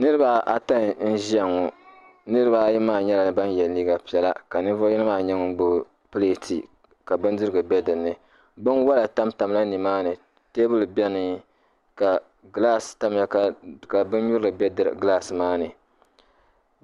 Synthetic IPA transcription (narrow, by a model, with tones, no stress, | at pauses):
nɨ˦ɾɨ˦ba˦ʔa˦ta˦n˨n̩˦ʒi˦ɛ˦ŋɔ˨ | nɨ˦ɾɨ˦ba˨˦ji˦maː˦˨ɲɛ˦la˨nɨ˨ba˦n˦jɛ˨lliː˦ɡa˨pi˨˦ɛ˦la˦ka˨nɨ˦vo˦i˦nɨ˦maː˦˨ɲɛ˦ŋʊ˦ɡ͡bʊ˦ | pɨ˦le˦tʰḭ˨ | ka˨bɨ˦ndɨ˦ɾɨ˦ɡɨ˨bɛ˦dɨ˨nɨ˨ | bɨ˦nwa˦la˨ta˦mta˨m˦la˦ni˨maː˦nɨ˨ | te˦bɨ˦lɨ˨bɛ˦nɨ˨ŋ˦ | ka˨ | ɡla˦sta˦m˨ja˦ka˨ka˨bɨ˦n˦ɲu˦ɾɨ˨ɡɨ˨bɛ˦dɨ˨ɾɡla˦smaː˦nɨ˨